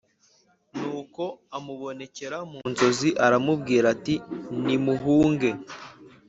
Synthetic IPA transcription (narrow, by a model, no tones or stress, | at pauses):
nuːko̞amuβo̞ne̞ce̞ɾamunzo̞ziʔaɾamubɡiːɾatinimuɦuːŋɡe̞